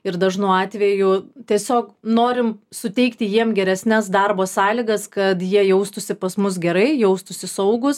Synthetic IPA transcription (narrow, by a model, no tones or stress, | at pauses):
ɪɾd̪ɐʒnuːɑːt̪ʲʋʲɛjʊt̪ʲiɛsʲoːknoːɾʲɪmsʊt̪ʲɛɪkt̪ʲɪjiɛmɡʲɛɾʲɛsʲnʲɛsd̪ɑrboːsɑːlʲiɡɐskɐt̪jiɛjɛʊst̪ʊsʲɪpɐsmʊs̬ɡʲɛɾɐɪjɛʊst̪ʊsʲɪsɐʊɡʊs